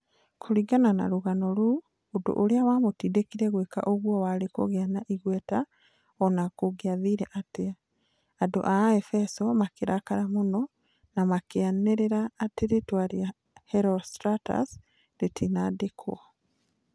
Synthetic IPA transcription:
kʰoɾiɡanana̰ɾuɣanɔɾuː | do̰ʔoɾeawamotidekiɾɛɣweka̰ʔoɣwɔwaɾeko̰ɣeanaʔiɣwɛta | ɔnakoɣeaðiɾɛʔate | ado̰ʔaɛfɛsɔmakeɾakaɾamonɔ | namakeaneɾeɾaːteɾetwaɾia | hɛɾɔstɾata̰s | ɾetʰinadekʰo̰

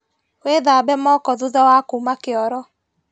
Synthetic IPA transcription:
weðabɛmɔkɔðuðawakumakeɔɾɔ

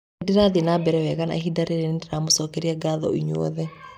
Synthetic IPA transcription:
deɾaðenabɛɾɛwɛɣana̰ɦidaɾeɾendeɾamosɔkɛɾiaɡaðɔ̰iɲo̰ɔ̰ðɛ

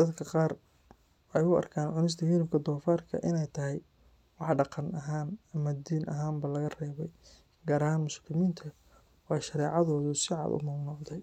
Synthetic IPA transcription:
d̪̥ɐd̪kʰɐqɑːr | wħɛjʊɐ̰rkʰaːnʕʊnɪs̬t̪ʰɐhɪɾɪmkʰɐd̪ɔːfaːrkʰɐ̰ʔɪnɛjt̪ʰɐɦɛj | wɑħɖɑqɑnɐɦaːnɐmɐd̪iːnʔɐɦaːmbɐlɐɣɐrɛːβɛj | ɡaːɾɐɦaːnmʊslɪmiːnt̪ʰɐ | wɑʃɐɾɛːʕɑðɔːðʊsɪʕɑ̰ːd̪ʊ̰mɐɡnɔʕd̪ɛj

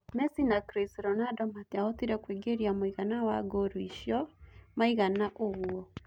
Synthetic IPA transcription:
mɛsinakɾisiɾɔnadɔmatiaotiɾɛkweɡeɾiamoiɣanawaɡoɾuiʃjɔmaiɣanaʔoɣwɔ

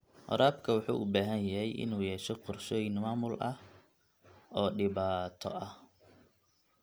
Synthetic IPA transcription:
ʔɔ̰ɾaːbkʰɐwɑħṵːʔʊbaːɦɐnjɐɦɛjʔɪ̰nuːjɛːʃɔqɔrʃɔːjɪŋmaːmʊlʔɐh | ɔːɖɪβaːt̪ʰɔ̰ʔɐh

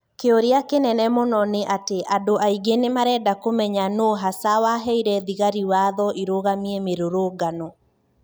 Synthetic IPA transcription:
keoɾeakenɛnɛmɔnɔneʔateʔadoʔaiɡenemaɾɛːdakomɛɲanoɦasawaɦɛiɾɛðiɣaɾiwaðɔʔiɾoɣamiɛmeɾoɾoːɡanɔ

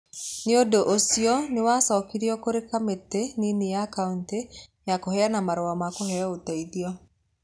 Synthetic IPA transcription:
neodoʔosiɔnewasɔːkiɾiɔkoɾekameteninejakauntejakohɛanamaɾoamakohɛɔotaiðiɔ

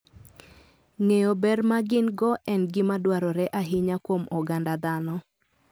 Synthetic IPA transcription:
ŋejobɛrmaɡɪnɡɔʔɛnɡɪmadwaɾɔɾɛʔaɦɪɲakwomɔɡandad̪anɔ

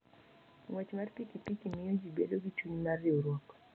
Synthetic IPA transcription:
ŋwɛt͡ʃmaɾpikipikimijod͡ʒibɛ̰loɡit͡ʃuɲmarioɾwɔk

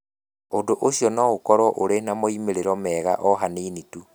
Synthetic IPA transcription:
ondoʔoɕjɔnɔɣokɔɾɔʔoɾenamoimeɾeɾɔmɛɣa̰ʔɔɦaneːnitu

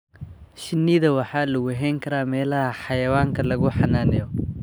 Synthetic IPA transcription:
ʃɪnːiːðɐwɑħɑːlʊɣʊɦɛːŋkʰɐɾaːmɛːlɐɐħɑjɐwaːŋkʰɐlɐɣʊħɑnaːnɛjɔ

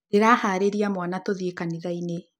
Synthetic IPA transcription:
neɾahaːɾeɾiamwanatoðiekaniðaine

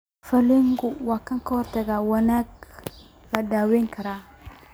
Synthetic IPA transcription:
fɐlɛŋɡʊwaːkʰɐŋkʰɐhɔrt̪ʰɐɣaːwɐnaːɡ | lɐdaːwɛːŋkʰɐɾaː

